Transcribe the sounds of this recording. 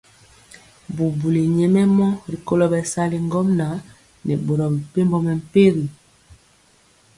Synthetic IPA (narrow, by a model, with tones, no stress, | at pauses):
bu˨bu˨li˨ɲɛ˨mɛ˦mɔ˦ɾi˨ko˦lɔ˦bɛ˨sa˦li˨ŋɡɔ˦mna˨˦ | nɛ˨bo˨ɾɔ˨bi˨pe˦mbɔ˦mɛ˨m̩˨pe˦ɣi˨